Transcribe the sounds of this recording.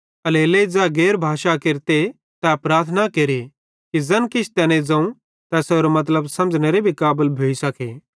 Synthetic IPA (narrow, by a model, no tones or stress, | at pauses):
ɐleled͡zɛɡeːɾbʱaːʃakɪɾt̪e | t̪ɛpɾaːɾt̪ʰnakeɾe | kizɐnkɪt͡ʃʰt̪ɛːnẽd͡zɐ̃ũ | t̪ɛsoːɾomɐt̪̬ləbsɐ̃md͡ʒneɾebʱikaːbəlbʱoːisɐkʰeː